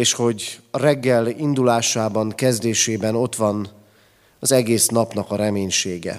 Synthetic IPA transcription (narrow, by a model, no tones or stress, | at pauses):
eːʃho̞ɟɒɾɛɡːɛlind̪ulaːʃaːbɒŋkɛzd̪eːʃeːbɛno̞t̪ʋɒn | ɒzɛɡeːsnɒpnɒkɒɾɛmeːɲʃeːɡɛ̰